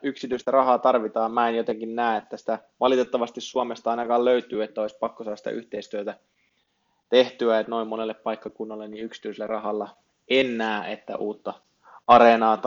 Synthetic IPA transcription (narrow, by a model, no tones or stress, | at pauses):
yksit̪yist̪ærɑhɑːt̪ɑrʋit̪ɑːmmæːenjot̪eŋkinnæːet̪ːæsi̥t̪æʋɑlit̪et̪ːɑʋɑst̪issuomest̪ɑɑinɑkɑːlløyt̪yːet̪ːæoispɑkːosɑːsi̥t̪æ̰ʔy̰ht̪eist̪yøt̪æ | t̪eht̪yæet̪noimmonelːeppɑikːɑkunːɑlːeniyksi̥t̪yisilːerɑhɑlːɑ | enːæːḛt̪ːæ̰ʔuːt̪ːɑ | ɑrenɑːt̪